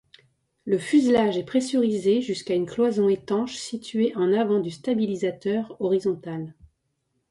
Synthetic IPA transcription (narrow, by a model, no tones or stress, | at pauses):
ləfyzlaʒɛpχesyʁizeʒyskaynklwazɔ̃et̪ɑ̃ʃsit̪ʰɥeʔɑ̃navɑ̃d̪yst̪abilizat̪œʁɔʁizɔ̃t̪al